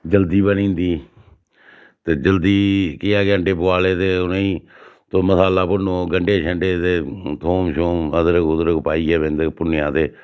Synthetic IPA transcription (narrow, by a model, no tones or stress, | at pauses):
d͡ʒəld̪iːbənĩːnd̪iː | t̪eːd͡ʒəld̪iːkɪaːɡəɳɖeːpʊaːleːt̪eːʊnẽːiː | t̪oməsaːlaːpʊnoːɡəɳɖeːʃʰəɳɖeːt̪eːt̪ʰoːmʃoːməd̪əɾəkʊd̪əɾəkpaːiːɛːbẽːnd̪eːpʊnɪjãːt̪eː